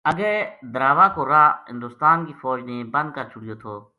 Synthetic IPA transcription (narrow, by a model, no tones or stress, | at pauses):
ɐɡəɾd̪əɾaːʋakoɾaɦɪ̃nd̪ʊːst̪aːnkifɔːd͡ʒnebɐ̃nd̪̚kəɾt͡ʃʊkijot̪ʰoː